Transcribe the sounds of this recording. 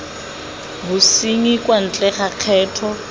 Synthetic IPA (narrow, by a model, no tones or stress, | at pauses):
bʊsiŋikʼwan̩t͡ɬʼɛχaq͡χʰɛːtʰɔ